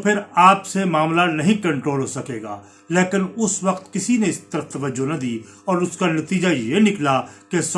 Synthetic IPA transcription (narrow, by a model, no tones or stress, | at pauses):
pʰɪɾaːpsemaːmlanɐɦĩkɐ̃ɳʈɾoːlɦoːsɐkeːɡa̰ː | leːkɪnʊsʋɐqt̪kɪsineɪst̪ɐɾəft̪ɐʋəd͡ʒːonɐd̪iː | ɔːɾʊskanɐt̪iːd͡ʒajenɪklakes